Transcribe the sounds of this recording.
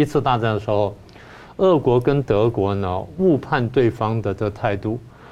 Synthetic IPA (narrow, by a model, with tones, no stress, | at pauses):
i˧˥t͡sʰɹ̩˥˧t̪a˥˧t͡sa˥˩nd̪ə˩ʂɻ̩˧˥xo˥˧˩ʊ | ə˥˩kwɔ˧˥kə˥nt̪ɤ˧˥kwɔ˧˥nə˧u˥˧pʰa˥˧nt̪we˥˩ɪfɑ˥ŋd̪ə˨ʈ͡ʂə˥˧ɡə˩t̪ʰa˥˧ɪt̪u˥˩